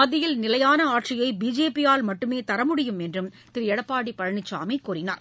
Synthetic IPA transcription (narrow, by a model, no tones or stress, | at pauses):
ɐðɪjɪlnɪlɐjaːnɐaːʈʂɪjɐɪbiːd͡ʒeːpɪjaːlmɐʈːɯmeːt̪ɐɾɐmʊɽɪjɯmɛndrɯm | t̪ɪɾjɛɽɐpːaːɽipɐɻɐɳɪt͡ʃːa̰ːmɐɪkːuːrɪna̰ːɾ